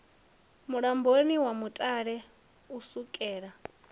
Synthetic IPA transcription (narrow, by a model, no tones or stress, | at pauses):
muɺamboniwamutʼaɺɛ | usukʼɛːɺa